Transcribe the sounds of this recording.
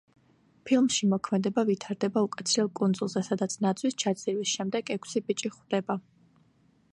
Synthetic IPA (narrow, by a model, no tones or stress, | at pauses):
pʰilˠmʃimɔkʰmɛd̪ɛbavit̪ʰaɾd̪ɛbaukʼat̪sʰɾɛlˠkʼunzulˠzɛsad̪at̪sʰnat̪sʰwist͡ʃʰad̪zʼivisʃɛmd̪ɛɡɛkʰsibit͡ʃʼiχwd̪̥ɛba